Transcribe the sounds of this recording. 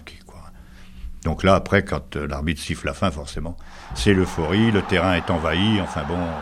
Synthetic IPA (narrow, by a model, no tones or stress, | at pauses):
kʲʰe̥kwa | d̪ɔ̃klaːpχɛkɑ̃t̪əla̰ʁmit̪siflafɛ̃fɔʁsemɑ̃ | sɛləfɔʁilət̪ɛʁɛ̃ɛt̪ɑ̃vaiɑ̃fɛ̃bɔ̃